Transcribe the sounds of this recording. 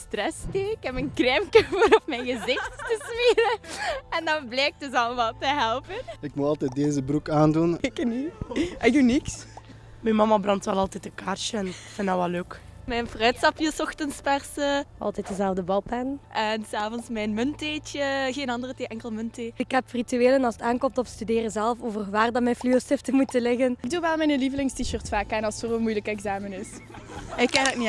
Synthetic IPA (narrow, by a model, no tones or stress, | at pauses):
strɛsteːkɛpənkrɛmkəvəɾɔfmɛjnɣəzɪxttəsmiːdəɛndɑnblɛːk̚dɵs̬ɑlˠəmalˠtəɦɛlˠpənɪkmuɑlˠtɛt̚deːzəbɾukaːndunekənyɛjduniks | mɛnmɑmɑbrɑntʋɛlɑlˠtɛtəkaːrt͡ʃəɛnfɪndaʋɛlːøːk | mɛnfrœːtsɑpiːsɔxtənspɛrsəɑ̰lˠtɛtdəzɛlˠvdəbɑlˠpɛnʔɛnsaːvɔnsmɛjnmɵnteːt͡ʃəɣeːnɑndərəteːʔɛŋkəlˠmɵnteɪkɦɛprityeːlənɑlˠsətaːnkɔmtɔfstydeːrəzɛlˠfoːvərʋaːrdɑmɛjnflyosɪftəmutəlɪɣənɪɡ̚duʋɛlˠmɛnəlivəlɪŋstiʃørtfaːkaːnɑlˠsfolənmujləkɛɡzaːmənɪs | ɪkːadətni